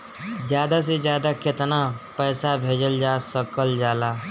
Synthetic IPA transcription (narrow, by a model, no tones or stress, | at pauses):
d͡ʒjaːd̪as̬ed͡ʒjaːd̪aket̪napəːsabʱeːd͡ʒəld͡ʒaːsəkəld͡ʒaːla